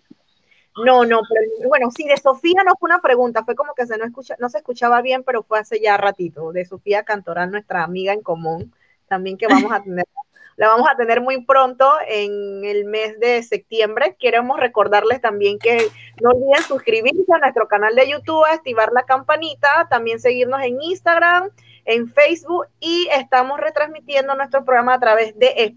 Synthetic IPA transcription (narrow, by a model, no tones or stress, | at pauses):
no̞no̞pe̞ɾobwe̞no̞siðe̞so̞fiano̞feunapɾe̞ɣunt̪afwe̞ko̞mo̞ke̞s̬e̞noeskut͡ʃano̞seskut͡ʃaβaβje̞mpe̞ɾo̞fwe̞ase̞ʝarat̪it̪o̞ðe̞so̞fiakant̪o̞ɾalnwe̞st̪ɾaːmiɣaeŋko̞mũn | t̪ambje̞ŋke̞βamo̞sat̪ene | laβamo̞sat̪e̞ne̞ɾmujpɾo̞nt̪o̞eŋelme̞sðe̞se̞p̚t̪je̞mbɾe̞kje̞ɾemo̞sre̞ko̞ɾðaɾle̞st̪ambje̞ŋke̞nolβiðensuskɾiβiɾseanwe̞st̪ɾo̞kanald̪e̞ʝut̪uβaest̪iβaɾlakampanit̪at̪ambje̞nseɣiɾno̞se̞ŋinst̪aɣɾam | e̞ɱfejsβuk̚ie̞st̪amo̞sre̞t̪ɾazmit̪je̞nd̪o̞nwest̪ɾospɾo̞ɣɾamasat̪ɾaβe̞zðe̞ʔe